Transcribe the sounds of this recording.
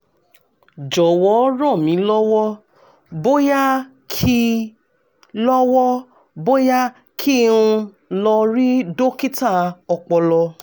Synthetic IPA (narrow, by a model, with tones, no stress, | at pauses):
d͡ʒɔ˨wɔ˨˦ɾɔ̃˦˨mĩ˨˦lɔ˦wɔ˦ | bo˦ja˦ | kʰi˦ | lɔ˦wɔ˦ | bo˦ja˦ | kʰi˦˨ɾ̃ũ˧ | lɔ˧ɾi˦do˦ki˦ta˦˨ɔ˧k͡pɔ˧lɔ˧